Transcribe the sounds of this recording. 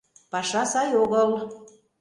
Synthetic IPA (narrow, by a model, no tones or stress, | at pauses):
pɑʃɑsɑjoɣəl